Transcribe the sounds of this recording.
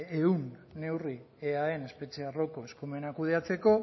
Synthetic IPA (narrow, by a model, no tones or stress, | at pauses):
eunːe̞wri | eae̞ne̞spe̞t͡ʃearo̞ko̞eskume̞nakuð̞e̞at͡se̞ko̞